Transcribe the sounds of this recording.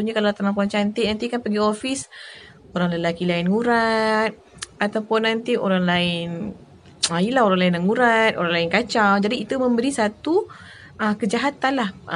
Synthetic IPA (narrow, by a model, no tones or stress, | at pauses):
uɲakalat̪anampuant͡ʃant̪iʔnant̪ikanpəɡiofis | oɾaŋləlakilaɪnŋuɾat̪̚ | at̪awpʊnːant̪iʔoɾaŋlaɪn | ajəlaɦoɾaŋlaɪnːaŋuɾat̪ʔo̰ɾaŋlaɪnkat͡ʃawd͡ʒadiːt̪umə̃mbəɾisat̪u | əkəd͡ʒaɦat̪anlah